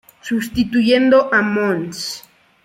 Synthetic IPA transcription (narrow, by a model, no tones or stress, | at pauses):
sust̪it̪ujend̪oʔamons